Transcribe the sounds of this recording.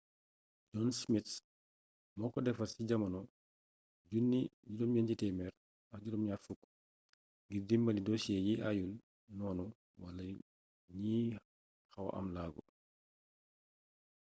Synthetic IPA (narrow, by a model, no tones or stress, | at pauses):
d͡ʒɔnsmit | mɔkɔdɛfasiɟamanɔ | d͡ʒunːid͡ʒudɔmjand͡ʒitɛmɛɾ | ad͡ʒudɔmɲafukː | ɡiɾdimbalidɔsiɛjiʔajul | nɔːnɔ | wala | ɲi | haw̰ʔa̰mlaɡɔ̰